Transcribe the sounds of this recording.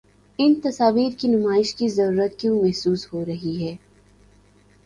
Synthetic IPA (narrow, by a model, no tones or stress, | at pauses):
ɪnt̪ɐsaːʋiːɾkinʊmaːɪʃkizɐɾuːɾət̪kjõːmɛɦsuːshoɾɐɦiɦɛː